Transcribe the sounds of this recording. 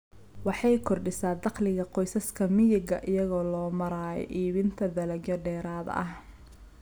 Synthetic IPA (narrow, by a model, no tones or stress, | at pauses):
wɑħɑjkʰɔrɖɪsaːd̪ɑqlɪɣɐqɔjsɐskʰɐmɪjɪɡɐʔɪjɐɣɔːlɔːmɐɾaːjɔ̰ʔiːβɪnt̪ʰɐd̪ɐlɐɡɐɖɛːɾaːðɐ̰ʔɐh